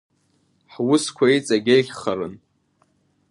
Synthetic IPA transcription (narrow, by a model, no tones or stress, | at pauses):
ħwʊskʷʰait͡sʼaɡʲejχʲχarɨn